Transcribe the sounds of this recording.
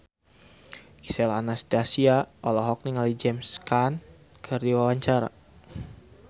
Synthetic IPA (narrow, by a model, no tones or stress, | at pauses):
ki̥sɛlanasdasiaɔlɔɦɔk̚niŋalid͡ʒɛmskan | kʰərdiwawaɲt͡ʃaɾa̰